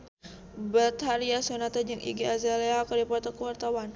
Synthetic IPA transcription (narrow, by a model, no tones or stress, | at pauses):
bat̪haɾiasonat̪ad͡ʒəŋʔḭɡiazaleɦakɔdipɔrt̪akuwart̪awan